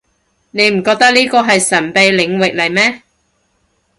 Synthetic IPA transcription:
ne˨˧jm̩˨˩kɔː˧k̚t̪ɐ˥k̚liː˥kɔː˧ɦɐ˨jsɐ˨˩npe˨jlɪ˨˧ŋwɪ˨k̚lɐ˨˩jmɛː˥

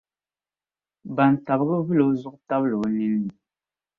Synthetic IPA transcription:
ba˨n˨ta˨bɨ˦ɡɨ˦vɨ˦lo˨˦zʊ˦ʔta˦bɨ˦lo˨˦ni˦nːɨ˨

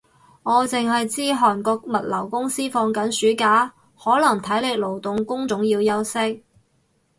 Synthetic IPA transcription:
ŋɔː˨˧t͡sɪ˨ŋɦɐ˨jt͡siː˥ɦɔː˨˩nkɔː˧k̚mɐ˨t̚lɐ˨˩wkʊ˥ŋsiː˥fɔː˧ŋkɐ˨˥nsyː˨˥kaː˨˥ | hɔː˨˥lɐ˨˩ŋt̪ʰɐ˨˥jlɪ˨˧k̚lo˨˩wt̪ʊ˨ŋkʊ˥ŋt͡sʊ˨˥ŋjiː˧wjɐ˥wsɪ˥k̚

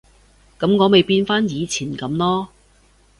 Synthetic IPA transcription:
kɐ˨˥mŋɔː˨˧me˨jpiː˧nfaː˥njiː˨˧t͡sʰiː˨˩nkɐ˨˥˦mlɔː˥

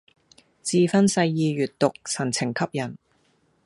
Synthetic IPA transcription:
t͡siː˧fɐ˥nsɐ˧jːiː˨˧ɥyː˨tt̪ʊ˨k̚sʰɐ˨˩nt͡sʰɪ˨˩ŋkʰɐ˥p̚jɐ˨˩n

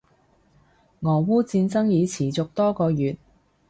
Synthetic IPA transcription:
ŋɔː˨˩wuː˥t͡siː˧nt͡sɐ˥ŋjiː˨˧t͡sʰiː˨˩t͡sʊ˨k̚t̪ɔː˥kɔː˧jyː˨t̚

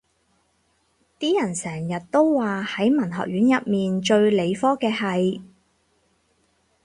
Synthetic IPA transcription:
t̪iː˥jɐ˨˩nsɛː˨˩ŋjɐ˨t̚t̪o˥wwaː˨hɐ˨˥jmɐ˨˩nɦɔ̰˨k̚ɥyː˨˥njɐ˨t̚miː˨nt͡ʃɵ˧ɥle˨˧jfɔː˥kɛː˧ɦɐ˨j

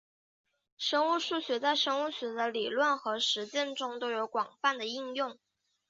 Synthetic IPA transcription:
ʂɤ˥ŋu˥˧ʂu˥˩ɕɥɛ˧˥t͡sa˥˩ɪʂɤ˥ŋu˥˩ɕɥɛ˧˥d̪ə˧li˨˩lwə˥˩nxɤ˧˥ʂɻ̩˧˥t͡ɕjɛ˥˧nʈ͡ʂʊ˥ŋt̪o˥ʊjo˧˥ʊkwɑ˨˩ŋfa˥˩nd̪ə˩i˥˧ŋjʊ˥˩ŋ

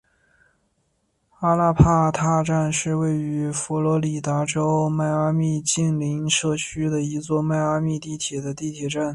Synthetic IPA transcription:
a˥la˥˧pʰa˥˧t̪ʰa˥˧ʈ͡ʂa˥˧nʂɻ̩˥˧we˥˩ɪy˧˥fɔ˧˥lɔ˧˥li˨˩t̪a˧˥ʈ͡ʂo˥ʊma˥˩ɪa˥mi˥˧t͡ɕi˥˩ŋli˧˥ŋʂɤ˥˩t͡ɕʰy˥d̪ə˨i˧˥t͡swɔ˥˧ma˥˧ɪa˥mi˥˧t̪i˥˩t̪ʰjɛ˨˩d̪ə˦t̪i˥˩t̪ʰjɛ˨˩ʈ͡ʂa˥˩n

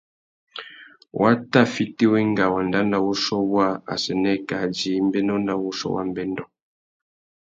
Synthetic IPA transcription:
wʔa˦ta˦˨fi˦te˦we˦ŋ˦ɡa˨wa˨n˨da˦nda˦wo˦sɔ˦wa˦a̰˨sɛ˨nɛ˦˨ka˨d͡ʒi˨˦m̩˦be˦nɔ˦nda˦wo˦sɔ̰˦wa̰˦˨m˦bɛ˦n˦dɔ˦˨

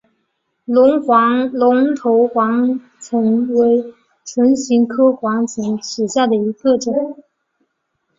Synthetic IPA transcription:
lʊ˧˥ŋxwɑ˧˥ŋlʊ˧˥ŋt̪ʰo˧˥ʊxwɑ˧˥ŋ | t͡sʰɤ˧˥ŋwe˧˥ɪ | ʈ͡ʂʰwə˧˥nɕi˧˥ŋkʰɤ˥xwɑ˧˥ŋt͡sʰə˧˥ŋʂ̩˨˩ɕja˥˩d̪ə˩i˧˥ɡə˥˧ʈ͡ʂə˨˩˦

